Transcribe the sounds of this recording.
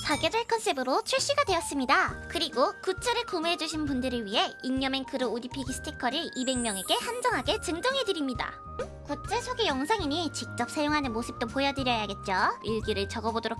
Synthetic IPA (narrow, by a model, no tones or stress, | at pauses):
t͡ɕaɡjed͡ʑʌɭkʰʌnsʰebɯɾot͡ɕʰuɭɕ͈iɡadwe̞ʌs͈ɯmɲidakɯɾiɡokut͡ɕ͈ʰeɾɯɭkomuɦe̞d͡ʑuɕʰinpundɯɾɯɭɥiɦe̞inɲʌmenkɯɾɯoɾipʰiɡisʰɯ̥tʰikʰʌɾɯibe̞ŋmjʌŋe̞ɡe̞hand͡ʑʌŋɦaɡe̞t͡ɕɯŋd͡ʑʌŋɦe̞dɯɾimɲida̰ | kot͡ɕ͈esʰoɡejʌŋsʰaŋiɲit͡ɕik̚t͡ɕ͈ʌp̚sʰajoŋɦanɯnmosʰɯp̚t͈opojʌdɯɾjʌjaɡe̞t̚t͡ɕ͈oiɭɡiɾɯɭt͡ɕʌɡʌbodoɾok